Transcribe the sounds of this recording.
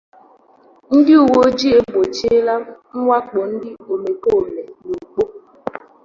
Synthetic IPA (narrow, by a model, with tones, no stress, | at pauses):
n̩˦dɪ˦u˨wo˦d͡ʒi˦e˦bo˨t͡ʃe˦la˦ŋ̩˦ŋʷa˦k͡po˨n̩˦dɪ˦o˨me˨ko˦˨me˨nu˨u˨k͡po˦